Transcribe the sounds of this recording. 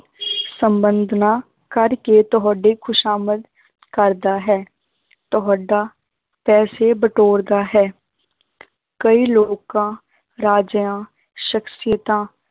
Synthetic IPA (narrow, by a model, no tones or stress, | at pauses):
sə̃mbə̃nd̪ʱna | kəɾket̪ɔɦɖekʰʊʃaːməd̪ | kəɾd̪aɦɛː | t̪ɔɦɖa | pɛːsebəʈoːɾd̪aɦɛː | kəiloːɡkã | ɾaːd͡ʒjãː | ʃəksɪjət̪ãː